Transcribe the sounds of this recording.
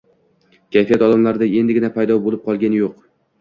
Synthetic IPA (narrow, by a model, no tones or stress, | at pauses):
kʲʰajfijat̪ɒlamlaɾɪd̪ae̞nd̪ɪɡʲɪnapʰajd̪ɒbolˠɪp̚qʰɒlˠɡʲanɪjoq